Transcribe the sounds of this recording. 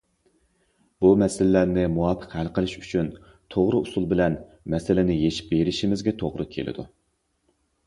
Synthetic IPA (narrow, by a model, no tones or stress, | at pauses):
b̥umɛsɪlɪlæɾnɪmuwɑːpʰə̥qhælqəlˠɪʃyt͡ʃʰyn | t̪ʰoʁɾʊusulˠbɪlɛn | mɛsɪlɪnɪjeʃi̥p̚beɾɪʃimɪzɡʲɛt̪ʰoʁɾʊkʲʰḛlʔɪ̰d̪u